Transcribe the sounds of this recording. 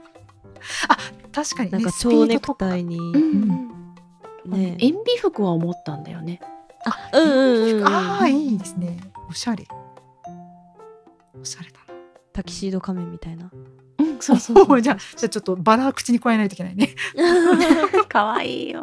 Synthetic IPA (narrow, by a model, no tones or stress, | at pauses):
at̪aɕi̥kaɲ̟inãnekat͡ɕoiːnekɯ̥t̪aiɲ̟iɯ̃ɯ̟̃ɴ | ne̞ẽmbʲiɸɯ̟kɯ̟βaomo̞t̪ːãnd̪a̰jo̞̰ne̞aɯ̟̃ːɯ̃ɯ̃iːd̪e̞sɨne̞oɕaɾe | oɕaɾet̪ḁno | t̪akʲi̥ɕiːd̪o̞kamẽ̞mʲːit̪aina | ɯ̃soːod͡ʑaːd͡ʑaːt͡ɕo̞t̪ːobaɾaːkɯ̟̥t͡ɕiɲ̟ikoaenait̪oikenaine̞ | kaβaḭː